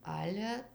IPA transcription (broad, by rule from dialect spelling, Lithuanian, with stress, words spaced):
ˈɑːlʲɛ